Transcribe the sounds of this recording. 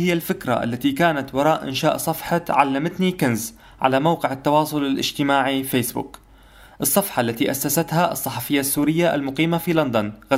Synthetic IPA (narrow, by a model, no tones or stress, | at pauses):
hɪjːalfɪkɾˤa̰ʔa̰lːat̪ikaːnat̪wɑɾˤɑːʔʔɪ̰nʃaːʔsˤɑfħɑʕa̰lːamat̪nikɪnz | ʕa̰lamawqɪʕɪt̪ːɑwɑːsˤʊlɪlʔɪ̰d͡ʒt̪ɪmaːʕifeːsbʊ̰k | ʔɨsˤːɑfħɑʔlːat̪iʔasːasat̪haʔɨsˤːɑħɑfɪjːasːuːɾɪjːaʔa̰lmʊqiːmafiland̪anɣa